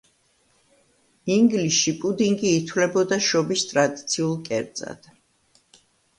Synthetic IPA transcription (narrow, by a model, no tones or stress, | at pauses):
iŋɡlisʃipʼud̪iŋɡiːt̪ʰwlɛbɔd̪aʃɔbist̪ʼɾad̪it̪sʰiulˠkʼɛɾt̪sʼa̰d̪̥